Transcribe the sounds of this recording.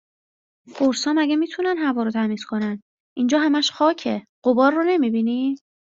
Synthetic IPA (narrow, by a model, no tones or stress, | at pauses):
foɾsɒːmæɡæmiːt̪ʰunænɦævɒːɾot̪ʰæmiːskʰo̞næn | ʔind͡ʒɒːɦæmæʃxɒːcʰe̞ | ɢ̥obɒːɾːone̞miːbiːni